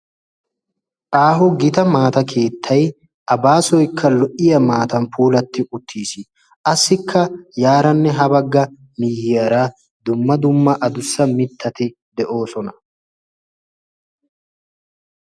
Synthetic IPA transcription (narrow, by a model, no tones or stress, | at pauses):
ʔaːɦʊɡɪt̪ɐmaːt̪ɐkʰe̞ːt̪ʰːɐj | ʔɐbaːsɔjkʰːɐlɔʔɪjɐmaːt̪ɐnpuːlɐt̪ːɪʔʊt̪ʰːiːsɪ | ʔɐsːɪkʰːɐjaːɾɐnːɛɦɐbɐɡːɐ | niːhɪjɐɾaː | d̪ʊmːɐd̪ʊmːɐʔɐd̪ʊsːɐmɪt̪ʰːɐt̪ɪ | d̪ɛʔo̞ːsɔnɐ